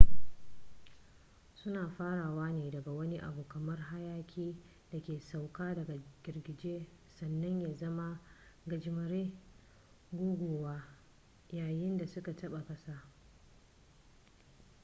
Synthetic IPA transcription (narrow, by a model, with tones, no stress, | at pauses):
sʊ˦naː˨ɸaː˦ɽaː˨waː˦neː˨dɐ˨ɡa˨wɐ˦ni˦ʔa̰˨buː˨kɐ˨mɐ˦rɦa˦jaː˦kʲʰiː˦ | da˨kʲeː˨sa˨wkaː˦dɐ˨ɡa˨ɡ̥ʲɪ˨rɡʲɪ˨d͡ʒeː˦ | sɐ˨nːɐ˦ɲjaː˨zɐ˦ma˦ | ɡɐ˨d͡ʒɪ˨mɐ˨ɾeː˦ | ɡʷoː˦ɡʷoː˨waː˦ | jaː˨jɪ˦nda˨sʊ˦ka˨tɐ˦ɓa˨kɐ˦saː˦